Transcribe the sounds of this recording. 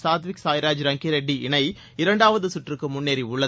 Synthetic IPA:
saːt̪ʋɪksaːjɾaːd͡ʒɾɐŋɡiɾɛɖːiɪɳɐɪ | ɪɾɐɳɖaːʋɐðɯsʊʈrɯkːɯmʊnːeːɾiʊɭːɐ

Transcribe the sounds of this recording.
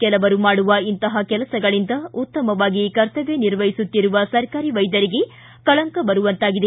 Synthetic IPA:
kɛlɐʋɐɾumaːɽuʋɐint̪ɐɦɐkɛlɐsɐɡɐɭind̪ɐut̪ːɐmɐʋaːɡikɐɾt̪ɐʋeniɾʋɐjisut̪ːiɾuʋɐsɐɾkaːɾiʋɐjd̪ɐɾiɡe̞ | kɐɭɐŋkɐbɐɾuʋɐnt̪aːɡid̪e

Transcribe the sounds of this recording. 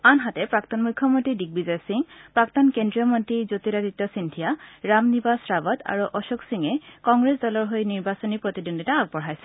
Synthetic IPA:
anɦatɛpɹak̚tɔnmukʰːɔmɔntɹidik̚bizasiŋpɹak̚tɔnkendɹiɔmɔntɹizot̪iɾaditːɔsintʰijaɹamnibasɹabɔta̰ɹuʔɔʃɔksiŋɛkɔŋɡɹesdɔlɔɹɦojniɹbasɔnipɹot̪idundʱitaːɡ̚bɔɹɦajsɛ̥

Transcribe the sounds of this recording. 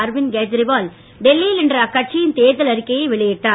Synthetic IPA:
ɾʋɪnɡeːd͡ʒɾɪbaːl | ɖɛlːijɪlɪndrɐɐkːɐʈ̚t͡ʃɪjɪnt̪eːðɐlɐɾɪkːɐjɐɪʋɪɭɐjɪʈːaː

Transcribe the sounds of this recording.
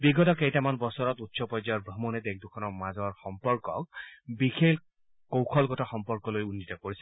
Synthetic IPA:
biɡɔtɔkejtamanbɔsɔɹɔtutsɔpɔjzajɔɹbʱɔmɔnɛdek̚dukʰɔnɔɹmazɔɹxɔmpɔɹkɔk̚bixʰel | kowkʰɔlɡɔtaxɔmpɔɹkɔlojunːitɔkoɹisɛ

